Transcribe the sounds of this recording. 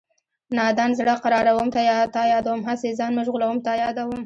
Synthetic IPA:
nɑd̪anzɽəqaɾɑɾawəmt̪ajɑt̪ɑjɑd̪awumɦasezɑnmuʒɣulawumt̪ɑjɑd̪awum

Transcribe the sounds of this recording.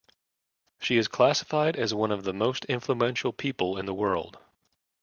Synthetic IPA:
ʃiɨz̥kʰl̥æsə̥faɪɾɨzwʌ̃nʌvðəmoʊstʰɪ̃ɱfluɛ̃nʃl̩ˠpʰipl̩ˠɨ̃nðəwɜ˞lˠd̥

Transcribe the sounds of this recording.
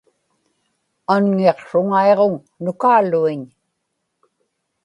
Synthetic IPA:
anŋeqʂʊŋae̞ʁoŋ | nʊkaːluiɲ

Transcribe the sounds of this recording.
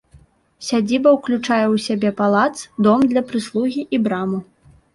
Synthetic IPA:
sʲad͡zʲibɐwklʲut͡ʂajɛwsʲabʲɛpalˠat̪sd̪ɔmd̪lʲɐpɾɨslˠuɣʲiʔibɾamu

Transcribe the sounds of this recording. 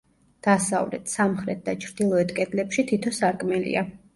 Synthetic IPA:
d̪̥asavlɛ̰t̪ʰsamχɾɛt̪̚d̪at͡ʃʰɾd̪̥ilˠɔɛt̪ʰkʼɛd̪lɛpʃit̪ʰit̪ʰɔsaɾkʼmɛlḭa

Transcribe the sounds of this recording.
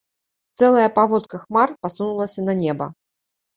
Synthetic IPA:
t̪sɛlˠɐjɐpavɔt̪kɐxmarpasunulˠɐsʲɐnɐnʲɛbɐ

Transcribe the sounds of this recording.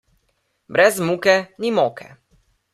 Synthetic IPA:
bɾɛzmukɛnimɔːkʰɛ̰

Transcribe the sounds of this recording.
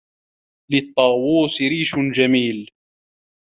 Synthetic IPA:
lɪt̪ˤːɑːwuːsɾiːʃd͡ʒamiːl

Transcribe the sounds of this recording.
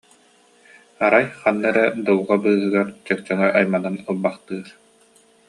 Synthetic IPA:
aɾajχanːɛɾɛd̪ɯlʁabɯːɦɯɡaɾt͡ɕœk̚t͡ɕœŋɛʔajmananulˠbaχt̪ɯːɾ

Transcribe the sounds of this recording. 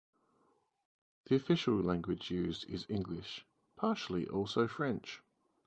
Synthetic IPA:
ðiəfɪʃəlˠlæ̃ŋɡwɪd͡ʒjʉːzdɪ̰zɪ̃ŋɡlɪʃ | pʰɑˑʃəl̩ˠḭʔɔˑlˠsəʊfɹɛ̃nt͡ʃ

